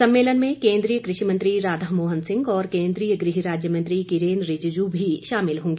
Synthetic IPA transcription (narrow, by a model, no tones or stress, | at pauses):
sɐ̃mːeːlənmẽkẽːnd̪ɾijəkɾɪʃimɐ̃nt̪ɾiɾaːd̪ʱəɦmoːɦənsɪ̃ŋɡɔːɾkẽːnd̪ɾiːjəɡɾɪɦiɾaːd͡ʒjəmɐ̃nt̪ɾikɪɾeːnɾɪd͡ʒd͡ʒubʱiʃaːmɪlɦõːŋɡi